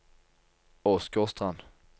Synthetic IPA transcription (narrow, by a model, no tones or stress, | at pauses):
ɔskɔst̪ʁan